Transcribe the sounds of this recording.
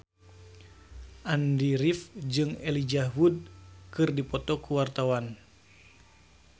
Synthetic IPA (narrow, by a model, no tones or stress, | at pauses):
ʔandiɾifd͡ʒɨŋelid͡ʒaɦud̚kɨrdipɔt̪ɔkuwart̪awan